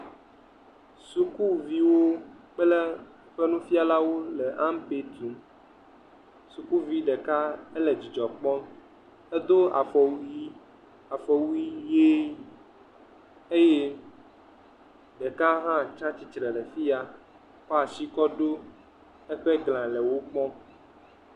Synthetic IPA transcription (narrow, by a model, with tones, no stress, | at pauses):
su˨ku˦vi˦wo˦ | k͡pɛ˦lɛ˦ | ɸe˦nũ˦fi˦a˨la˦wo˦lɛ˨ʔã˦mpe˦t̪ɾu˨ | su˨ku˦vi˦ɖɛ˨ka˦ɛ˦lɛ˨d͡ʑi˨d͡ʒɔ˨k͡pɔ˦n | ɛ˦d̪o˦a̰˨fɔ˨wu˦ji˦ | a˨fɔ˨wu˦ji˦je˦ | e˦je˦ | ɖɛ˨ka˦ɦã˦˨t͡ʃã˦t͡ɕi˨t͡ʃɾɛ˨lɛ˨fi˦a˦ | kɔ˦a˨si˦kɔ˦ɖo˦ | ɛ˦ɸɛ˦ɡl̃ã˨lɛ˨wo˦k͡pɔ̃˦